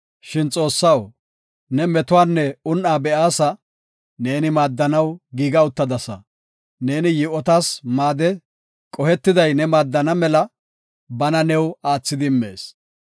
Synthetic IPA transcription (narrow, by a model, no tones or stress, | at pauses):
ʃɪnt͡sʼo̞ːsːɐw | nɛmɛt̪ʊwaːnːɛʊnʔaːbɛʔaːsɐ | ne̞ːnɪmaːd̪ːɐnɐwɡiːɡɐʊt̪ːɐd̪ɐsɐ̰ | ne̞ːnɪjɪʔɔt̪aːsmaːd̪ɛ | kʼɔhɛt̪ːɪd̪ɐjnɛmaːd̪ːɐnɐmɛlɐ | bɐnɐnɛwaːt͡sːɪd̪ɪmːe̞̰ːs